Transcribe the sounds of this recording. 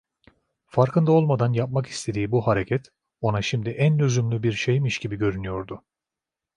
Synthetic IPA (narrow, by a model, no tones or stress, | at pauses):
faɾkʰɯnd̪ao̞lˠmad̪anjap̚maki̥st̪ʰe̞d̪iːbuɦaɾe̞cʰɛt̪ | o̞naʃimd̪iʔænøzymlʲybiɾʃe̞jmiʃɟ̥ibiɟø̞ɾynyjo̞ɾd̪ʊ